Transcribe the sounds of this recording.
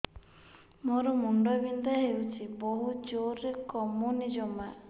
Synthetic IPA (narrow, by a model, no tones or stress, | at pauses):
mɔɾɔmuɳɖɔbind̪aɦewt͡ʃʰiboɦud͡ʒoɾekɔmɔnid͡ʒɔma